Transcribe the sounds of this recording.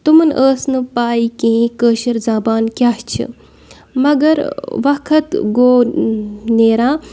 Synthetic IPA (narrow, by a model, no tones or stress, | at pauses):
t̪umənʔəːsnɨpaːikĩĩkəːʃɐɾzaːbaːnkʲjaːst͡ʃʰḭ | mɐɡɐɾʋɐkʰɐt̪ɡoː | neːɾãː